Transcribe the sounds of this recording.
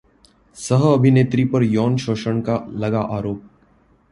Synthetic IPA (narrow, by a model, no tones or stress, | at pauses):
səɦɐbʱɪneːt̪ɾipɐɾjɔːnʃoːʃəɳ̃kalɐɡaʔaːɾoːp̚